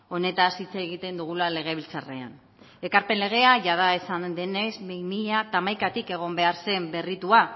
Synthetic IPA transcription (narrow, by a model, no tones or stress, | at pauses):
o̞ne̞t̪asit͡seɣit̪e̞nd̪uɣ̞ulale̞ɣ̞e̞β̞ilt͡sare̞̰a̰n | e̞kaɾpe̞nle̞ɣ̞e̞aʝað̞ae̞sand̪e̞nezmejmiat̪amajkat̪ike̞ɣ̞o̞mbe̞aɾse̞mbe̞rit̪ua